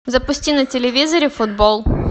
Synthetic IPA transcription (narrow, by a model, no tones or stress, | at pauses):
zɐpʊsʲtʲinɐtʲɪlʲɪvʲizəɾʲɪfʊd̪bolˠ